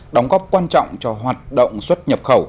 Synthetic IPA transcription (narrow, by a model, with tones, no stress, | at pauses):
ɗɔ˨˦wŋ͡mɣɔ˦˥p̚kwaː˧nt͡ɕɔ̰˧˨wŋ͡mt͡ɕɔ˧ɦwaː˨˩t̚ɗə̰˧˨wŋ͡mswə˦˥t̚ɲə˨˩p̚xə˧˩w